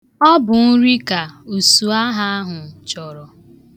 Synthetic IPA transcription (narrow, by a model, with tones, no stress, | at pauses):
ɔ˦bʊ˨n̩˦ɾi˦ka˨u˨su˨a˦ɦa˦ɦʊ˨t͡ʃɔ˨ɾɔ˨